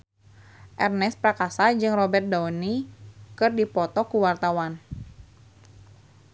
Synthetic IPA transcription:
ʔɛrnɛspɾakasad͡ʒɨŋrɔbɛrt̪̚daunikɨrdipɔt̪ɔkuwart̪awan

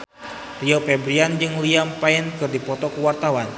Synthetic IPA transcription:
riɔpɛbɾiand͡ʒɨŋliampaɪnkɨrdipɔt̪ɔkəwart̪awan

